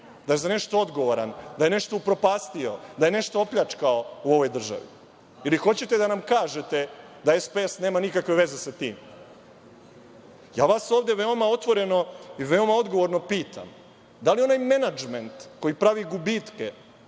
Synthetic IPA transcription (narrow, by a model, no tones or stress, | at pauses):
d̪aje̞zane̞ʃt̪ood̪ɡo̞ʋoɾa̰nd̪aje̞ne̞ʃt̪o̞upɾo̞paːst̪io̞d̪aje̞ne̞ʃt̪oopʎat͡ʂkaouo̞ʋo̞jd̪r̩ʒa̰ʋḭ | ilixo̞t͡ɕe̞t̪e̞d̪anamkaːʒe̞t̪e̞ | d̪aespeesneːmanikakʋe̞ʋe̞ze̞sat̪ḭːm | ja̰ːʋaso̞ːʋd̪eʋe̞omao̞t̪ʋo̞ɾe̞no̞iʋe̞omao̞d̪ɡo̞ʋo̞ɾnopiːt̪ʰa̰m | d̪alio̞najme̞nad͡ʒment̪ko̞jipɾaʋiɡubit̪ke